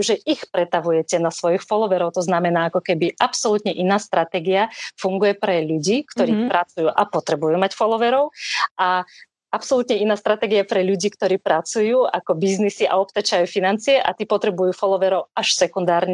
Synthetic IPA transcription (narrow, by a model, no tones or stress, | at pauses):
ʒɛʔixpɾɛt̪aʋujɛcɛnasʋɔjixfɔlɔʋɛɾɔʊt̪ɔznamɛnaːakɔkɛbiʔapsɔlut̪ɲɛʔinaːst̪ɾat̪ɛɡiafuŋɡujɛpɾɛʎuɟiːkt̪ɔɾiːpɾat͡sujuːʔapɔt̪ɾɛbujuːmacfɔlɔʋɛɾɔʊa | apsɔlut̪ɲɛinaːst̪ɾat̪ɛɡiapɾɛʎuɟiːkt̪ɔɾiːpɾat͡sujuːakɔbiznisiʔa̰ɔp̚t̪at͡ʃajuːfinant͡siɛʔa̰t̪iːpɔt̪ɾɛbujuːfɔlɔʋɛɾɔʊaʃsɛkund̪aːɾɲɛ